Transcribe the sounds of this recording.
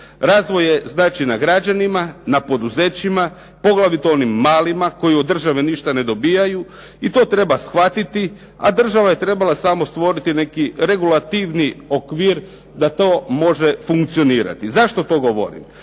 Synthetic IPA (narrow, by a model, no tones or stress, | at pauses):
ɾaːzʋo̞jeznaːt͡ʃinaɡɾad͡ʒanimanapo̞d̪uze̞ːt͡ɕima | po̞ɡlˠaʋit̪oonimːaːlimako̞jiod̪ːr̩ʒaʋeniʃt̪ane̞d̪o̞biːjaju | it̪o̞ːt̪ɾe̞basxʋat̪it̪i | a̰d̪r̩ʒaʋaje̞t̪ɾe̞balasamo̞st̪ʋo̞ɾit̪ine̞kiɾe̞ɡulat̪iʋnio̞kʋiːɾ | d̪at̪o̞ːmo̞ʒefuŋkt̪sio̞niːɾa̰t̪izaʃt̪o̞t̪o̞ɡo̞ʋo̞̰ɾḭm